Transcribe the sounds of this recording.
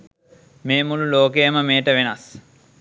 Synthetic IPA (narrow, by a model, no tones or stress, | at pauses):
meːmululoːkejəməmeːʈəʋenas